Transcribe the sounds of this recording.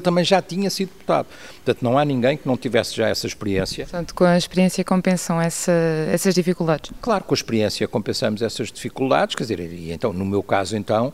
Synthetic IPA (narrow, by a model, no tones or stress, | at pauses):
t̪ɐmɐ̃j̃ʒat̪iɲɐsiðuput̪a̰ðu | pɾt̪ɐ̃t̪unɐ̃w̃anĩŋɡɐ̃j̃kɨnɐ̃w̃t̪ivɛsʒaɛ̰sɐʃpɨɾiẽsjɐɾt̪ɐ̃nt̪u̥kõɐʃpɨɾiẽsjɐkõmpẽsɐ̃w̃ɛsɐɛsɐʒðifikulˠd̪aðʃklˠaɾukõɐʃpɨɾiẽsjɐkõmpẽsɐmuzɛsɐʒðifikulˠd̪a̰ðʃkɛðizeɾḭḛ̃nt̪ɐ̃w̃numewkazuẽnt̪ɐ̃w̃